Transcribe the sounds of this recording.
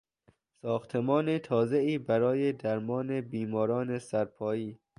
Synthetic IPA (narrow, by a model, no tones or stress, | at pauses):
sɒːxt̪ʰemɒːnet̪ʰɒːzeiːbæɾɒːjed̪æɾmɒːnebiːmɒːɾɒːnesæɾpʰɒːjiː